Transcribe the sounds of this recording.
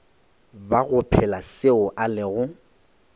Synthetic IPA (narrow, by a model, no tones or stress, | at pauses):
baɣʊpʰɛlasɪʊʔalɪɣʊ